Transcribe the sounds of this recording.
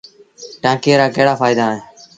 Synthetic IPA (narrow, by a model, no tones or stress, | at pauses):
ʈãːkeːɾaːkəːɽaːfaːɪd̪aːɦẽː